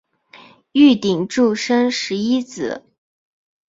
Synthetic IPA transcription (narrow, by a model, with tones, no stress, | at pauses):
y˥˩t̪i˨˩ŋʈ͡ʂu˥˩ʂə˥nʂɻ̩˧˥i˥t͡sɹ̩˨˩˦